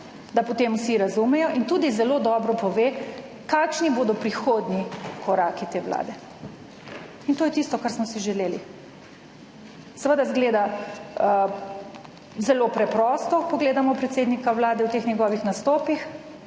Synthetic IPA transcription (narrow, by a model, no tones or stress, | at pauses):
d̪apɔt̪emwsiɾazumɛjɔʔint̪uːd̪izɛloːd̪ɔːbɾɔpɔʋe | kaːkʃniboːd̪ɔpɾixoːd̪nikʰɔɾaːkit̪eːwla̰ːd̪ɛ | int̪oːjɛt̪ist̪ɔkaɾsmɔsiʒɛleːlḭ | sɛʋəd̪azɡleːd̪aə | zɛlopɾɛpɾɔːst̪ɔpɔɡleːd̪amɔpɾɛt̪seːd̪nikawlaːd̪ɛwt̪exnɛɡɔːʋixnast̪oːpix